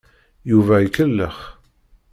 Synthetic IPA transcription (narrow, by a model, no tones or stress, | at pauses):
juvæəkəlːəχ